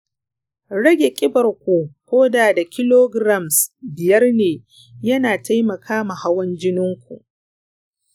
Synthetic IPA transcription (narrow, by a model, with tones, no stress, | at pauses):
ɽɐ˦ɡʲe˨kʲʼɪ˦bɐ˨rkʷu˨kʷoː˦daː˨da˨kʲɪ˦loː˦ɡɾa˦˨msbɪ˨jɐ˦rneː˨ | jɐ˦naː˨tʰa˦jmɐ˨kʰaː˦ma˨ha˦wɐ˦nd͡ʒɪ˦nɪ˦ŋkʷṵ˨ʔ